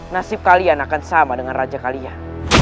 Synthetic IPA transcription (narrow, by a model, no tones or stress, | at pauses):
nasɪp̚kalianakansamadəŋanrad͡ʒakalian